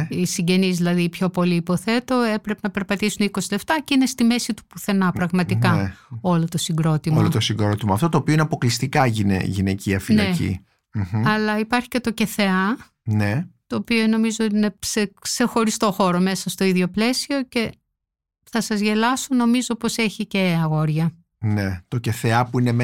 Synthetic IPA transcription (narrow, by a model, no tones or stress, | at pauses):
isiɲɟe̞nizðilɐðipço̞po̞liːpo̞θe̞t̪o̞e̞pɾe̞penɐpeɾpɐt̪isuniko̞sileft̪ɐcine̞st̪ime̞sit̪u̥puθe̞nɐpɾɐɣmɐt̪ikɐo̞lot̪osiɡɾo̞t̪imolot̪osiŋɡɾot̪imɐft̪o̞t̪oːpioineɐpo̞klist̪ikɐʝinḛʝinḛciɐfinɐecḭ | m̩ɐlɐipɐɾçi̥ce̞t̪o̞ce̞θe̞ɐ | ne̞t̪o̞ːpiono̞mizot̪ine̞sekse̞xo̞ɾist̪o̞xo̞ɾo̞mesɐst̪o̞iðʝo̞ple̞sio̞ce̞ | θɐsɐzʝe̞lɐsono̞mizopo̞se̞çice̞ɐɣo̞ɾʝɐ | net̪o̞ceθe̞ɐpuinem